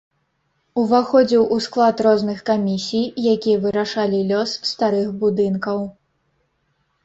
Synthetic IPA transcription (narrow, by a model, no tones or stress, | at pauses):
uvaxɔd͡zʲiwʔusklˠat̪rɔznɨxkamʲisʲijjakʲijɐvɨɾaʂalʲilʲɔsːt̪aɾɨxbud̪ɨnkɐw